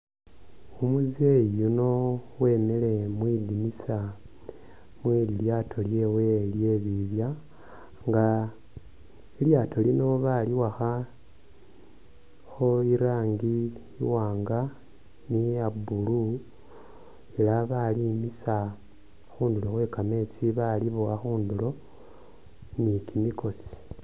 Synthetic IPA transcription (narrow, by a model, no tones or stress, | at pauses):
umuzejuno̞wenele̞mwidimisa | mwiːliljaːtʰo̞lje̞ːwe̞lje̞ːβiβja | ŋɡa | iljaːtʰo̞lino̞βaliwaxa | xo̞iɾaːŋɡḭː | waːŋɡa | niabulu | elaβalimisa | xuːndulo̞xwe̞ːkame̞t͡siβaliβowaxuːndulo̞ | nikimiko̞si̥